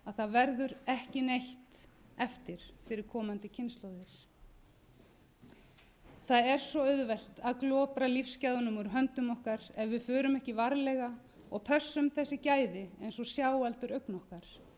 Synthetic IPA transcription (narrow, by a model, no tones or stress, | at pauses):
aðθaðvɛɾðʏɾɛhcɪnejht̪ɛft̪ɪɾ̥fɪɾɪɾ̥kʰɔːmant̪ɪcʰɪnst̪lowðɪɾ̥ | θaðɛɾ̥sɔœðvɛl̥t̪aðklɔːpɾalifscaðɔnʏmɔɾɦœnt̪ʏmɔhkaɾɛvvɪðfʏːɾʏmɛhcɪvaɾlɛɣa | ɔɣpʰœ̥sːʏmθɛsːɪcaːjðɪejnsɔsjawalt̪ʏɾœɥknɔhkaɾ̥